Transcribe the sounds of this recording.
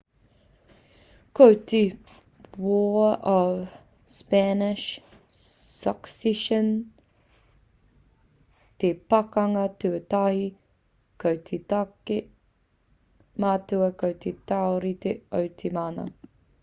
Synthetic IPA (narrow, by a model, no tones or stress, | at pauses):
kʰowtʰe | wɔːɔv | spænɪʃ | sɐksɛʃən | t̪ʰepɐkɐŋɐtʉətahi | kʰowt̪ʰetake | maːtuɐkʰowt̪ʰetawɾit̪ʰeowt̪ʰemaːnɐ̰